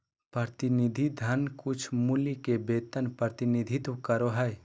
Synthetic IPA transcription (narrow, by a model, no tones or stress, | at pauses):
pɾət̪ɪnid̪ʱid̪ʱənkʊt͡ʃʰmulikebeːt̪ənpɾəət̪ɪnid̪ʱit̪kəɾoɦɛe